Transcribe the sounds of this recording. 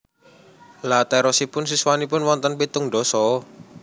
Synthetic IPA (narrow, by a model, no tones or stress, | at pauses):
lat̪ɛɾɔsipʊnsiswanipʊnwɔnt̪ənpit̪ʊŋɖɔsɔ